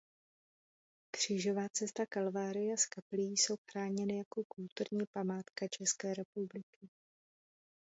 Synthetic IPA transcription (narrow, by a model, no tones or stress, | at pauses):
kr̝̥iːʒo̞vaːt͡sɛst̪akalvaːɾɪjaskaplijiːso̞wxɾaːɲɛnɪjako̞kult̪uɾɲiːpamaːt̪kat͡ʃɛskɛːɾɛpublɪkɪ